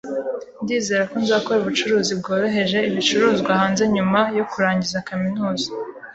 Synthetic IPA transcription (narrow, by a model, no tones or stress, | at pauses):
ndiːze̞ːɾako̞nzaːko̞ɾuβut͡ʃuɾuːzibɡo̞ːɾo̞ɦe̞ʒe̞iβit͡ʃuɾuːzɡwahaːnze̞ɲumajo̞kuɾaːɲɟizakaminuːza